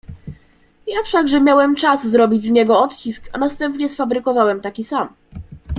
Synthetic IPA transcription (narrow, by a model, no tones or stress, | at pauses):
jafʂaɡʐɛmʲjawɛmt͡ʂazzɾɔbʲid͡ʑzɲɛɡɔɔt̪t͡ɕiska̰nast̪ɛmpɲɛsfabɾɘkɔvawɛmt̪akʲisam